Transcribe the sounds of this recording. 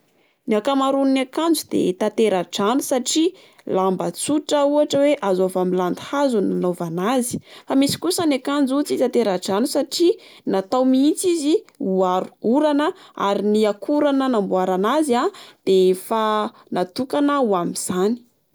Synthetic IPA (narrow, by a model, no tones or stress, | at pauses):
niakamaɾunnakand͡zud̪̥ḛt̪at̪eɾaʈ͡ʂanusaʈ͡ʂi | lambət͡suʈ͡ʂəuaʈ͡ʂəweʔazovamiland̪i̥hazunanovanazi̥famisi̥kusənakand͡zut͡sit̪at̪eɾaʈ͡ʂanusaʈ͡ʂinat̪awmiit͡siziuaɾu̥uɾanəa̰ɾiniakʰuɾanənambuaɾanazad̪̥efa | nat̪ukanəuamiz̥ani̥